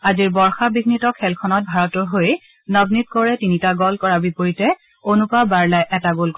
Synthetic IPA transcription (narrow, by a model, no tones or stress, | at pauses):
aziɹbɔɹxabiɡnitɔkʰɛlkʰɔnɔt̚bʱaɹɔtʊɦoj | nɔbnit̚kɔɹɛtinitaɡɔlkɔɹaɹbipoɹitɛ | onupaɹbaɹlajʔɛtaɡolk